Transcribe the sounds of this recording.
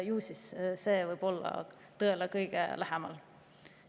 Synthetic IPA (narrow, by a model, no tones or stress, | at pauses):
juːsisse̞ːvɤjb̥o̞lːɑ̰ | t̪ɤelekɤjɡ̥ḛlæɦɛmɑ̰l